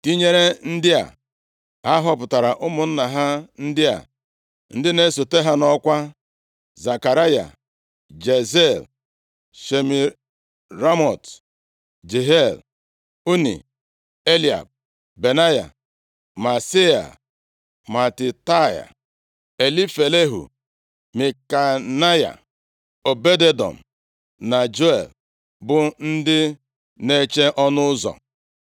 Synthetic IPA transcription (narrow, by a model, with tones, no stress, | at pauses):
ti˦ɲe˦ɾe˦n̩˦dɪ˦a̰˨ | a˦ɦɔ˦pʊ˨ta˨ɾa˨ʔʊ˦mʊ˨n̩˦na˨ɦa˦n̩˦dɪ˦a̰˨ | n̩˦dɪ˦ne˦so˨te˦ɦa˦nɔ˦kʷa˦ | za˨ka˨ɾa˦ja̰˨ | d͡ʒe˨ze˦˨l | ʃe˨mi˨ | ɾa˦mɔ˨t | d͡ʒe˨ɦe˦˨l | u˦nḭ˨ | e˦li˨a̰˨b̚ | be˨na˦ja̰˨ | ma˨si˦a̰˨ | ma˨tɪ˨ta˦ja̰˨ | e˨li˦fe˨le˦ɦṵ˨ | mi˨ka˨na˦ja̰˨ | o˨be˦de˦dɔ̰˨m̩˨ | na˨d͡ʒo˦e˨l | bʊ˨n̩˦dɪ˦ | ne˦t͡ʃe˦ʔɔ˦nʊ˦ʊ˦zɔ̰˨